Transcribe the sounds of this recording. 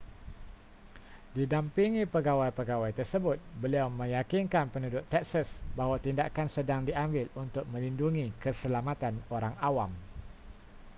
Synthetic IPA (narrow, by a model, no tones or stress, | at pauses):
didampiŋipəɡawajpəɡawajt̪ərsəbʊt̪̚bəliawmə̃jakinkanpənudʊt̪ːɛk̚səsbaɦwat̪indakansədaŋdiʔambɪlunt̪ʊk̚mə̃linduŋikəsəlamat̪anoɾaŋawam